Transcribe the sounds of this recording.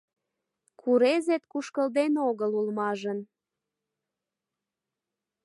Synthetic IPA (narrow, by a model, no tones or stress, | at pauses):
kʰuɾezet̪kuʃkəld̪enoɣəlulmɑʒən